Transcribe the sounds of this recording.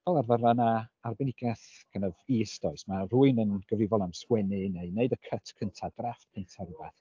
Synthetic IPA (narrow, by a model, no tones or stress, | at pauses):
vɛlˠarvaɾanaarbɛnɪɡɛθkʰənəvisdɔɨsmar̥uːɨnənɡ̥əvrɪvɔlˠnamswɛnɨneɨneɨdəkʰətʰkʰəntʰadraftpʰɛntʰɛrva̰d̥